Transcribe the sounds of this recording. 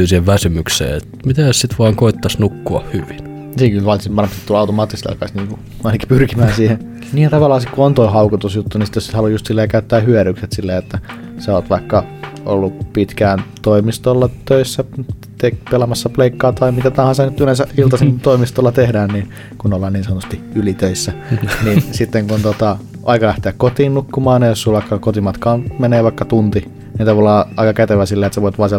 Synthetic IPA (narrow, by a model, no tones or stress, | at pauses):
ysiheʋʋæsymyksḛːet̪mit̪æˑssit̪ʋɑːŋkoit̪ːɑsnukːuɑ̰hhyʋin | siːŋkylʋɑnsʋɑnmpsit̪ulɑut̪omɑːt̪ːist̪ɑ̰lkɑsʲniːŋku | ɑinɑki̥pyrkimæːnsiːhen | niːjɑt̪ɑʋɑlːˑɑːsikkuont̪oihɑukut̪usjut̪ːunisi̥t̪ːesehɑlujust̪silːejɑkæyt̪ːæːhyøɾykset̪silːeːet̪ːæ | seoːt̪ʋɑikːɑo̰lːupit̪kæːnt̪oimist̪olːɑt̪øisːæ | t̪ekpelɑmɑsːɑpleikːɑːt̪ɑimit̪æt̪ɑhɑnsenyt̪ylensæilt̪ɑsint̪oimist̪olːɑt̪ehdæːnniːn | kunolːɑːniːnsɑnot̪ust̪iylit̪øisːæninsit̪ːeŋkunt̪ot̪ɑ | ʔɑikɑlæht̪eækkot̪iːnnukːumɑːnejosulʋɑikːɑkot̪imɑt̪kɑːnmeneːʋɑikːɑt̪unt̪i | nint̪ɑʋɑlːɑːɑikɑket̪eʋæsilːeːet̪sæʋoˑit̪ʋɑːnsiel